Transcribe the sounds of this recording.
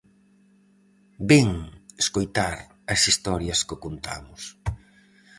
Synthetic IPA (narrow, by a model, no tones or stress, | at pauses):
bɛŋeskojt̪aɾ | ɐsist̪ɔɾjɐskɪkont̪a̰mʊs